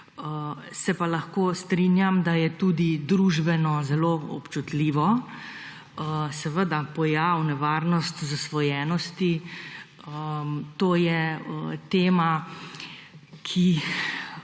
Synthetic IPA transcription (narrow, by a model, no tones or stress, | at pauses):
ə | sɛpalaxkoːst̪ɾinjamd̪ajɛt̪ud̪id̪ɾuʒbɛnɔzɛloːɔ̰pt͡ʃut̪liːʋɔ | əsɛʋəd̪apɔjawnɛʋaːɾnɔst̪zasʋɔjɛːnɔst̪i | ət̪oːjɛət̪eːma | kʰi